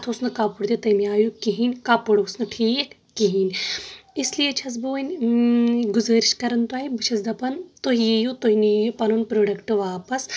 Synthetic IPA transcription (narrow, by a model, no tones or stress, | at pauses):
ɐt̪ʰosnɐkaːpuɽd̪ʲit̪ɐjmijaːjukiɦinʲkaːpuɽɐsnɨʈʰiːkːiɦinʲislijet͡ʃʰɐs̬boːnʲ | ɡuzəːɾiʃkɐɾɐnt̪uaːibɨt͡ʃʰɐsd̪ɐpɐnt̪oɦijejut̪oɦinijjupɐnunpɾoːɖɐkʈɨʋaːpɐs